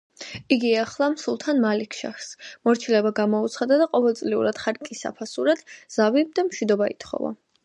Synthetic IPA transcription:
iɡiaχlˠamsulˠt̪ʰanmalikʰʃa̰χsmɔɾt͡ʃʰilɛbaɡamɔut̪sʰχad̪ad̪aqʼɔvɛlˠt̪sʼliṵɾad̪̥χaɾkʼisa̰pʰasuɾad̪̥z̥avib̚d̪amʃwid̪ɔbaḭt̪ʰχɔ̰va̰

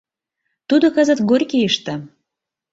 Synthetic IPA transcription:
t̪ud̪okəzə̆t̪ɡorʲkejəʃt̪ə̆

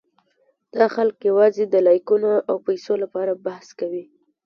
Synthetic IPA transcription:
d̪̥ɑxalkjawɑzed̪əlɑjkunoʔawpajsolapɑɾabahskawi

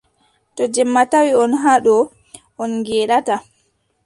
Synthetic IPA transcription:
tɔd͡ʒɛmːatawiɔnɦaɗɔ | ɔnɡɛːɗata

